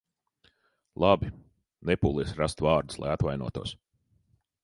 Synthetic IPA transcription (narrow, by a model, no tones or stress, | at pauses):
lˠʔabi | nepuːlˠiɛsɾast̪vaːɾd̪uslˠa̰jat̪vajnṵɔt̪ṵɔs